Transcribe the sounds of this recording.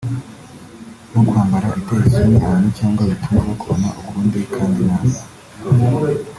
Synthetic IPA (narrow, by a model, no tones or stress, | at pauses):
nokwaːmbaɾaʔiteɾesomianucaːŋɡwaβatʰuːŋɡβakuβo̞naʔuβuɾuːndekʰaːndinaːzi̥